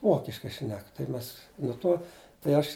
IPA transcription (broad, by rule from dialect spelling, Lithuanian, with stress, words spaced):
ˈʋoːkʲɪʃkɐɪ ˈʃʲnʲɛk tɐɪ ˈmʲɛs nʊ ˈtoː tɐɪ ˈɐʃ